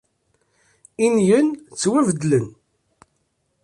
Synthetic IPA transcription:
injənt͡sːwævəd̪lən

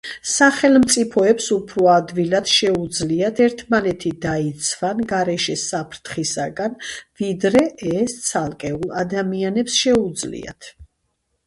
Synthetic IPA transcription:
saχɛlmt̪sʼipʰɔɛpsupʰɾɔad̪vilad̪̥ʃɛud̪zliat̪ʰɛɾt̪ʰmanɛt̪ʰid̪ait̪sʰvanɡaɾɛʃɛsapʰɾt̪ʰχisaɡanvid̪ɾɛʔɛst̪sʰalˠkʼɛulˠad̪amianɛpsʃɛud̪zlḭa̰t̪ʰ

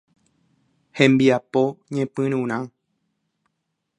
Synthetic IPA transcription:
hẽ̞mbiapo̞ɲẽpɨ̃ɾ̃ũɾ̃ã

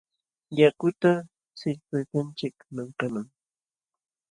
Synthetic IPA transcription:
jakʊt̪a | sɪʎpɪt̪ant͡ʃɪkmaŋqamaŋ

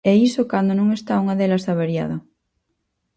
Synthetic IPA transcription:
eisokand̪onũŋest̪auŋaðelasaβaɾja̰ðo

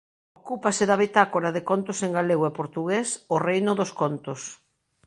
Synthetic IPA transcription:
okupasɪðaβet̪akoɾaðɪkont̪oseŋɡaleɣwepoɾt̪uɣesorejnʊðoskont̪os

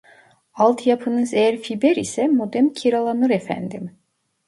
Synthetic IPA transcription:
alˠt̪ʰjapʰɯnɯzejæɾfibɛɾisɛmod̪ɛmcʰiɾalˠanɯɾefæ̰nd̪im

